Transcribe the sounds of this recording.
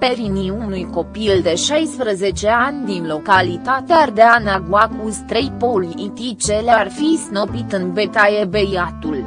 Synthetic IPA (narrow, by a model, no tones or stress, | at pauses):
pe̞ɾiniunujko̞pild̪e̞ʃajspɾəze̞t͡ʃe̞anʲd̪inlo̞kalit̪at̪eard̪eanaɡwakust̪ɾe̞jpo̞liit̪it͡ʃe̞learfiznopit̪ɨnbe̞t̪ajebe̞jat̪ul